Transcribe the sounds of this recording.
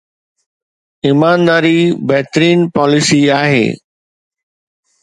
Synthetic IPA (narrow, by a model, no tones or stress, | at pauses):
imaːnd̪aːɾibɛɦɪt̪əɾiːnpɔːlɪsiaːɦḛː